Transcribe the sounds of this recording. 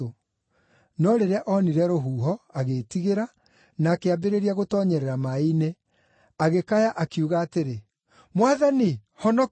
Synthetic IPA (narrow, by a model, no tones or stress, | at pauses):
o | nɔɾeɾɛaʔɔniɾɛɾoɦuːɦɔaɣetiɣeɾa | naːkeabeɾeɾiaɣotɔɲɛɾɛɾamaine | aɣekajaʔakiuɣaːteɾe | mwaðani | hɔnɔ